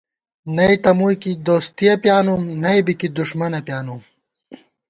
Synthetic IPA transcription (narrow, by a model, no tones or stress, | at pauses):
nɐjt̪ɐmujkid̪oːst̪ijɐpjaːnumnɐjbikid̪uʂmɐnɐpjaːnum